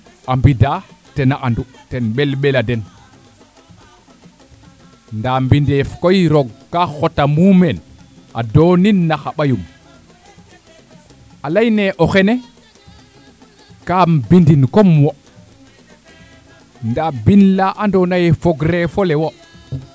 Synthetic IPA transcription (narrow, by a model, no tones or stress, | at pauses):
ʔambidaːtenaʔandutenɓelɓeladen | ndaːmbindefkojɾoɡkaxotamumen | ʔa̰doninːaxaɓajum | ʔalajneʔoxene | kambindinkomwo | ndabinlaʔandonajefoɡɾefolewo